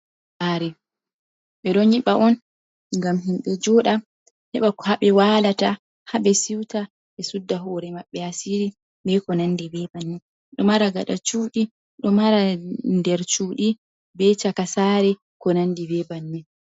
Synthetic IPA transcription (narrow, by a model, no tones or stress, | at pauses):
haɾɛ | ɓɛɗɔɲiɓaʔɔn | ŋɡamɦimɓɛd͡ʒɔɗa | hɛɓakɔ̥haɓɛwalata | haɓɛsiwta | ɛsudːaɦɔɾɛmaɓːɛasiɾi | bɛkɔnandibɛbanːi | ɗɔmaɾaɡaɗat͡ʃuːɗi | ɗɔmaɾandɛɾt͡ʃuːɗi | bɛt͡ʃakasaɾɛ | kɔnandibɛbanːi